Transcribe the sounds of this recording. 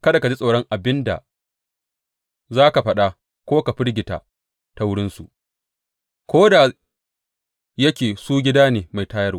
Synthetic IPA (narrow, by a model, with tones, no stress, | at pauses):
kɐ˦da˨ka˨d͡ʒi˦sʼa˨ɽɔ˦ŋʔa˨bɪ˦nda̰˨ | zaː˦ka˨ɸɐ˦ɗa˦ | kʷoː˦ka˨ɸɪ˦ɽɡʲɪ˨ta̰˨ | ta˦wʊ˦ɽɪ˦nsṵ˨ | kʷoː˦da˨ | jɐ˦kʲeː˨suː˦ɡʲɪ˦daː˦neː˨ma˨jtaː˦jɐ˦rwa˦